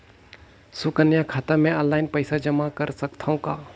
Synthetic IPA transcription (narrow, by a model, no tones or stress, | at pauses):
sʊkənjakʰaːt̪amẽəlaːɪnpəɪsad͡ʒəmakəɾsəkt̪ʰaũkaː